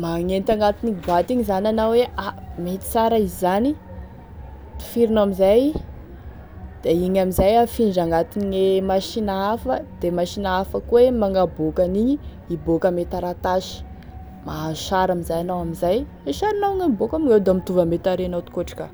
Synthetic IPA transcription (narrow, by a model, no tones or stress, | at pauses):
maŋent̪aŋɡat̪inibat̪iɲizanʲanaweʔamet̪i̥t͡saɾaizzani | t̪i̥fiɾinoamizaj | d̪̥eiɲamizajafinɖ͡ʐaŋɡat̪iniŋemaʃinaafəd̪̥emaʃinaafəkuwemaŋɡabokaniɲi | ibokəmet̪aɾat̪aʃi̥ | maʃaɾamizajanawamizaj | eʃaɾinaiŋaibokamiŋewd̪amit̪uvəmet̪aɾenawt̪i̥koʈ͡ʂḁka